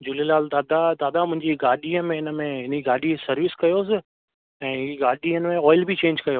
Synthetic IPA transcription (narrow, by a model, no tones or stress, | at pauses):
d͡ʑʊlelaːld̪aːd̪ad̪aːd̪amʊ̃ɦɪ̃ɲd͡ʑiɡaːɗiəmẽɦɪnəmẽɦɪniɡaːɗisɐɾʋɪskɐjoːsɪ | ɛ̃ːɦiːɡaːɗiənɪ̆mẽɔːɪlbit͡ɕẽːɲd͡ʑkɐjoː